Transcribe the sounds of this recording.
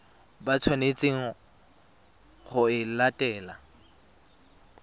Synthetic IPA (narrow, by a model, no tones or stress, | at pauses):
bat͡sʰwanet͡sʼeŋ̩ | χʊɪlatʼɛːla